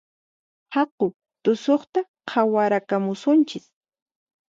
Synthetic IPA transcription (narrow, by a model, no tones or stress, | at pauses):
hɑqʊ | t̪ʊsoχt̪a | qʰawaɾakamʊsʊnt͡ʃɪs